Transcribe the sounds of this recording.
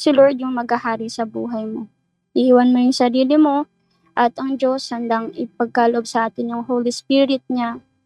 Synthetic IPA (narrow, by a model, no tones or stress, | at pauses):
sɪlo̞ɹd̪̚jʊŋmɐɡahaːɾɪsɐbṵːɦɐjmo̞ | ʔiʔiːwɐnmojʊŋsɐɾiːlɪmo̞ | ʔɐt̪ʔɐŋd͡ʒo̞shɐnd̪aŋɪpɐɡ̚kaloʔob̚sɐʔaːt̪ɪnjʊŋhoːlispiɾɪt̪̚ɲa